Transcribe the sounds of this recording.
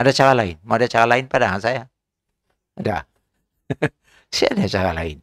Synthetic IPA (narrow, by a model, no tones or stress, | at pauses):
adat͡ʃaɾalaɪnmaadat͡ʃaɾalaɪnpadaɦansaja | ada̰ | siadat͡ʃaɾala̰ɪn